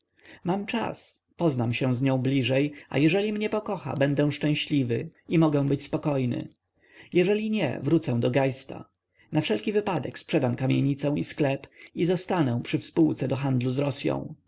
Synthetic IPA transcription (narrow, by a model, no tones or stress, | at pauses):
mamt͡ʂa̰s | pɔznamɕɛ̃w̃zɲɔ̃w̃blʲiʐɛja̰jɛʐɛlʲimɲɛpɔkɔxa̰bɛnd̪ɛw̃ʂt͡ʂɛ̃w̃ɕlʲivɘ̰imɔɡɛ̃w̃bɘt͡ɕspɔkɔjnɘ̰ | jɛʐɛlʲiɲɛ̰vɾut̪sɛ̃d̪ɔɡajst̪a̰ | nafʂɛlkʲivɘpad̪ɛkspʂɛd̪amkamʲjeɲit̪sɛw̃isklɛpizɔst̪anɛw̃pʂɘfspuwt̪sɛd̪ɔxand̪luzɾɔsʲjɔ̰̃w̃